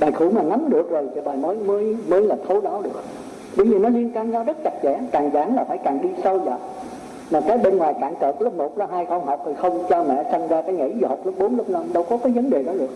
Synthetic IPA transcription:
ɓaː˨˩jxṵ˧˩˦maː˨˩ŋa˨˦mɗɨ˨˩ək̚zo˨˩jt͡ɕi˨˩ɓaː˨˩jməː˨˦jmɨ˧əjməː˧jlaː˨˩t̪ʰo˧ɗɔ˨˦ɗɨ˨˩ək̚ | ɗi˨˦ziː˨˩nɔ˨˦li˧ənkaː˧nɲa˧wzə˦˥t̚t͡ɕa˨˩t̚t͡ɕa̰˧˥nkaː˨˩ŋzaː˨˩nlaː˨˩faː˧˩jkaː˨˩ŋɗi˧sə˧wza̰ː˨˩ | maː˨˩kaː˨˦jɓe˧nŋwaː˨˩jkaː˧˨nkəː˨˩lʊ˦˥mo˨˩t̚zaː˧ɦaː˧jxə˧wŋ͡mɦɔ˨˩wk͡p̚t̪ʰi˨˩xə˧wŋ͡mt͡ɕɔ˧mɛ̰˧˨sa˧ŋzaː˧kaː˨˦jŋḭ˧˥zhwk͡p̚lʊ˦˥k͡p̚ɓo˨˦nlʊ˦˥k͡p̚na˧mɗə˧wkɔ˨˦kaː˨˦jvə˨˦nɗe˨˩ɗɔ˨˦ɗɨ˨˩ək̚

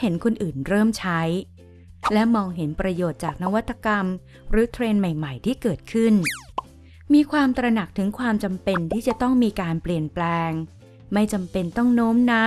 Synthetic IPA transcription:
he˩˦nkʰo˧nʔɯː˨˩nɾɤː˥˩mt͡ɕʰa˦˥j | lɛ˦˥mɔː˧ŋɦe˩˦npɾa˧joː˨˩t̪̚t͡ɕaː˨˩k̚na˦˥wa˦˥t̪ʰːa˧ka˧m | ɾɯː˩˦t̪ʰɾeː˧nma˨˩jma˨˩jt̪ʰiː˥˩kɤː˨˩t̪̚kʰɯ˥˩n | miː˧kʰwaː˧mt̪ɾa˧na˨˩k̚t̪ʰɯ˩˦ŋkʰwaː˧mt͡ɕa˧mpe˧nt̪ʰiː˥˩t͡ɕa˨˩t̪ɔ˥˩ŋmiː˧kaː˧npli˨˩ənplɛː˧ŋ | ma˥˩jt͡ɕa˧mpe˧nt̪ɔ˥˩ŋnoː˦˥mna˦˥

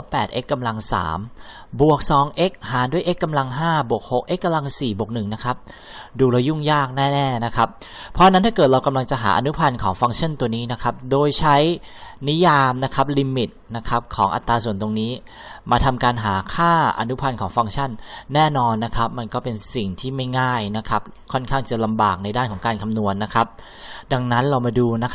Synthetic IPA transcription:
wpɛː˨˩t̪̚ʔe˦˥kːa˧mla˧ŋsa̰ː˩˦m | bu˨˩ək̚sɔː˩˦ŋʔe˦˥k̚haː˩˦du˥˩əjʔe˦˥kːa˧mla˧ŋɦaː˥˩bu˨˩ək̚ho˨˩k̚ʔe˦˥kːa˧mla˧ŋsiː˨˩bu˨˩k̚nɯ˨˩ŋna˦˥kʰa˦˥p̚ | duː˧ɾa˧wju˥˩ŋjaː˥˩k̚nɛː˥˩nɛː˥˩na˦˥kʰa˦˥p̚pʰːɔ˦ʔa˧na˦˥nt̪a˥˩kɤː˨˩t̪̚ɾa˧wka˧mla˧ŋt͡ɕa˨˩ɦa̰ː˩˦ʔa̰˧nu˦˥pʰa˧nkʰɔː˩˦ŋfa˧ŋt͡ɕʰa˥˩nt̪u˧əniː˦˥na˦˥kʰa˦˥p̚doː˧jt͡ɕʰa˦˥j | ni˦˥jaː˧mna˦˥kʰa˦˥p̚li˧mi˨˩t̪̚na˦˥kʰa˦˥p̚kʰɔː˩˦ŋʔa˨˧t̪ːaː˧su˨˩ənt̪o˧ŋniː˦˥ | maː˧t̪ʰa˧mkaː˧nɦaː˩˦kʰaː˥˩ʔa̰˧nu˦˥pʰa˧nkʰɔː˩˦ŋfa˧ŋt͡ɕʰa˥˩nːɛː˥˩nɔː˧nːa˦˥kʰa˦˥p̚ma˧nkɔː˥˩pe˧nsi˨˩ŋt̪ʰiː˥˩ma˥˩jŋaː˥˩jna˦˥kʰa˦˥p̚ | kʰɔ˥˩nkʰaː˥˩ŋt͡ɕa˨˩la˧mbaː˨˩k̚na˧jdaː˥˩nkʰɔː˩˦kaː˧nkʰa˧mnu˧ənːa˦˥kʰa˦˥p̚ | da˧ŋna˦˥nɾa˧wmaː˧duː˧na˦˥

